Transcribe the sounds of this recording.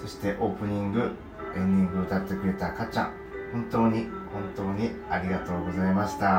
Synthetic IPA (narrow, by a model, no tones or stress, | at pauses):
so̞ɕi̥t̪e̞ʔo̞ːpɯ̟ɲ̟ĩŋɡɯ̟ | ẽ̞ɲd̪ʲĩŋɡɯot̪at̪ːe̞kɯ̟ɾe̞t̪akat͡ɕã̰ŋ | hõnt̪o̞ːɲ̟ihõ̞nt̪o̞ːɲ̟iaɾʲiɡat̪o̞ːɡo̞zaimaɕi̥t̪a